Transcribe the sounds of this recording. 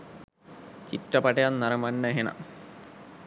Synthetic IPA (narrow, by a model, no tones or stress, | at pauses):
t͡ɕiʈːɐpɐʈɐjanːɐɾɐmɐnːɐɦenɐ̰